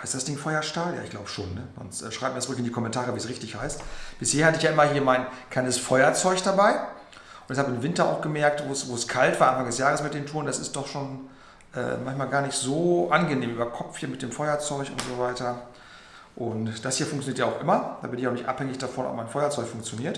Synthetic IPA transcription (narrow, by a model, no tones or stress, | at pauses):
haɪstd̥asd̥ɪŋfɔʏɐʃtaːlja̰ːɪçɡ̥laʊbəʃo̰ːnːəzɔ̰nstʔɛ̰ːʃʁ̥aɪb̚miːdst͡sʊʁɪkɪndikʰɔmɛntʰaːʁəviːsʁɪçtɪçhaɪstb̥ɪsheːɐhatəɪçjaːʔɪmɐhiːɐmaɪnkʰl̥aɪnəsfɔʏɐt͡sɔʏçd̥abaɪ | ʔʊntɛçhaːbəɪmvɪntɐa̰ʊxɡ̥əmɛɐk̚tvoːsvoːskʰaltv̥aːɐʔanfaŋdɛsjaːʁəsmɪt̚d̥eːntʰuːʁəndasɪst̚d̥ɔχʃoːn | ʔɛ̰ːmançmaːlɡaːɐnɪçtz̥oːʔanɡəneːmʔyːbɐkʰɔpp͡ffhiːɐmɪt̚d̥eːmfɔʏɐt͡sɔʏçʊ̰ntz̥ovaɪtɐ | ʔʊntd̥ashiːɐfʊŋktt͡sjoniːətjaaʊxʔɪmɐd̥aːbɪnɪçaʊnɪçtʔa̰phɛŋɪçd̥afɔnɔ̰p̚maɪnfɔʏɐt͡sɔʏçfʊŋkt͡sjoniːɐt